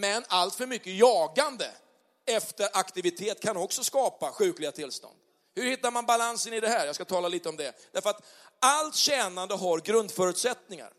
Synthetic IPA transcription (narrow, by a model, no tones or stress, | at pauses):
mɛnalt̪fœɾmʏkːəjɑːɡand̪ə̰ | ɛft̪əɾʔakt̪ɪvɪt̪ʰeːt̪kʰanɔksɔskɑːpaɧʉ̟ːklɪɡat̪ʰɪlːst̪ɔ̰nd̪ | hɵɾhɪt̪ːaɾmanbalansənɪd̪ɛhæːɾjɑːɡskat̪ʰɑːlaliːt̪əɔmd̪ɛd̪̥æɾfœɾat̪ | alt̪ɕɛːnand̪əɦaɾɡɾɵnd̪fœːɾʉt̪sɛt̪nɪŋa̰ɾ